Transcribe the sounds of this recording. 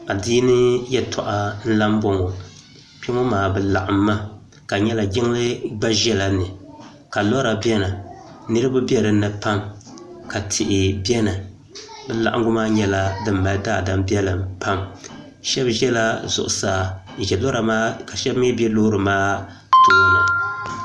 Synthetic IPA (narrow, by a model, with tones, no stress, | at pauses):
a˨diː˦nɨ˦jɛ˦tʰɔ̰˨ʔa˨n̩˦la˦m˦bɔ˦ŋo˨ | pɛ˦ŋɔ˦maː˨bɨ˨la˨ʔa˨mːa˦ | ka˨ɲɛ˦la˨ɡɪ˦ŋlɨ˦ba˦ʒɛ˦la˨nɨ˨ | ka˨lɔ˦ɾa˨bɛ˦na˨nɨ˦ɾɨ˦bʊ˦bi˦ɛ˦ɾɨ˨˦nɨ˨pa˦mka˨tʰɪ˨ʔɪ˨bɛ˦na˨ | bɛ˨la˨ʔa̰˦ɡʊ˦maː˦ɲɛ˦la˦dɨ˦mːa˨˦daː˦˨da˨mbi˦ɛ˦lɨ˨mpa˦m | ʃɛ˦bʒɛ˦la˦zʊ̰˨ʔʊ̰˨saː˨ | ʒɛ˨lo˦ɾa˨maː˦ka˨ʃɛ˦bme˦bɛ˦lo˦ɾɨ˨maː˦˨ | tʊ˨ʔa˨